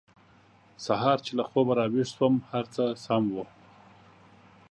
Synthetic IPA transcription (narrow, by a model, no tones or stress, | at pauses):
saɦɑɾt͡ʃelaxobaɾɑwiʂswəmhaɾt͡səsamwo